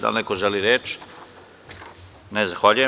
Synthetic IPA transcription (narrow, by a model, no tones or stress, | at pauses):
d̪a̰lnekoʒeliɾeːt͡ʃ | nezaxʋaʎuje